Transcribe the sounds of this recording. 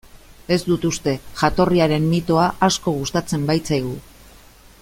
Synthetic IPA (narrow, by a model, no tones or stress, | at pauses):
e̞zd̪ut̪ust̪e̞ʝat̪o̞riaɾe̞mːit̪o̞aʔasko̞ɣ̞ust̪at͡se̞mbajt͡sajɣ̞u